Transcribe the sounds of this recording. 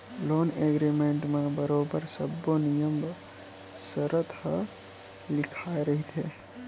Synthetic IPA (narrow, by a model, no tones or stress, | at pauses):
loneɡɾimeɳʈmebəɾobəɾsəbːonijəm | səɾət̪hə | lɪkʰaeɾəɦit̪ʰɦe